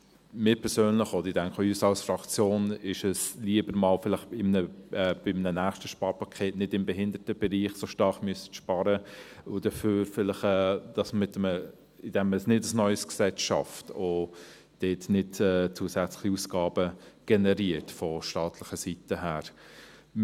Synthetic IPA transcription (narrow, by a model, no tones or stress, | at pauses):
mɪːpʰɛɾsøːnlɪχɔd̪əɾɪdæŋkəəyːsɑlsfɾɑkt͡sjoːnɪʃəsliəbəɾmɑːlfɪlɪχɪmnəɛːb̥ɪmnənæːχstəʃpɑːɾpʰɑkʰeːtnɪdɪmbɛɦɪndəɾtəb̥ɛɾiːχsoʃtɑɾχmyəsə̥tʃpɑːɾəʊd̥əføːɾfɪlɪχɛːd̥ɑsəmɪtəmə | ɪd̥ɛmsnɪdɑlsnœʏsksɛt͡sʃɑ̰fto | d̥eːtnɪdɛːt͡suːəsɛt͡slɪ̥χiusɡ̥ɑːb̥əɡ̥ɛnɛɾiːəɾtfɔʃtɑːtʰlɪχəsitəɦæːɾ